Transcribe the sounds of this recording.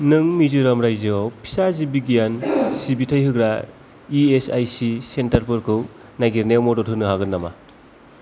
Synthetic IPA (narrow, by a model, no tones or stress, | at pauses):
nɯŋmizɯɾamɾajzɯwpʰi̥sazibiɡijansibitʰajhɯɡɾa | iesa̰jsisentaɾpʰɯɾkʰɯw | naɡiɾnewmɔdɔtʰɯnɯɦaɡɯnːama̰